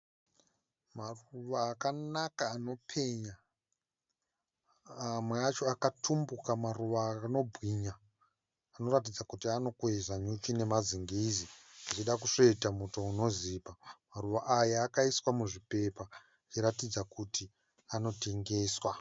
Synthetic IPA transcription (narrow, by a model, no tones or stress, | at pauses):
maruʋaːkanakaːno̞pʰe̞ɲa | mweat͡ʃo̞akatʰumbukamaruʋaːno̞bʱwiɲaː | no̞ɾat̬id͡zakutiano̞kwezaɲut͡ʃine̞maziŋɡiziat͡ʃiɗakuʂoitamuto̞uno̞ziːpamaruʋaʔajaːkaiswamuʐipe̞pa | t͡ʃiɾatid͡zakuti | ano̞te̞ŋɡe̞ːswa